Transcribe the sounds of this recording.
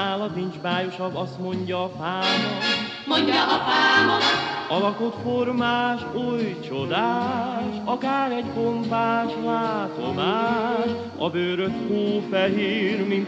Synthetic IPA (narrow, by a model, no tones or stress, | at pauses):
aːlɒt̪nind͡ʒbaːjo̞ʃɒbɒst̪mo̞ɲɟɒːfaːnɔ | moɲɒʔfaːnoɒlɒkot̪fo̞rmaːʃuːjt͡ʃo̞d̪aːʃɒkaːɾɛɟbo̞ɱpaːʃlaːt̪o̞maːʃ | ɒbøːɾøt̪hoːfɛɦiːrmint̪